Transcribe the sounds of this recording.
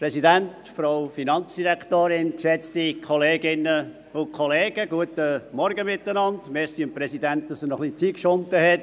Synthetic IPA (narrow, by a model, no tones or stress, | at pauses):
pɾɛsidɛnt | fɾoʊfinɑnt͡sd̥iɾɛktoːɾɪnkʃɛt͡stikʰɔleːɡɪnːə | ʊnkʰɔleːɡ̥əɡuətəmɔɾɡəmɪtːənɑndmɛstiəmpɾɛsidɛnt̚d̥ɑsənɔχlit͡siːkʃʊntəhɛt